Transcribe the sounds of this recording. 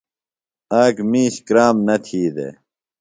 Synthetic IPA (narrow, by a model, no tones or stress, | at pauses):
aːkmiːɕkɾaːmnɐt̪ʰiːd̪ḛ